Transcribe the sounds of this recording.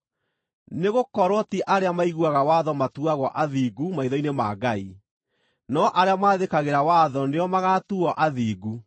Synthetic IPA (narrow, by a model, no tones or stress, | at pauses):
neɣokɔɾɔtiʔaɾeamaiɣuaɣawaðɔmatuaɣɔʔaðiɡumaiðɔinemaːɡai | nɔʔaɾeamaːðekaɣeɾawaðɔneɔmaɣatuɔʔaðiːɡu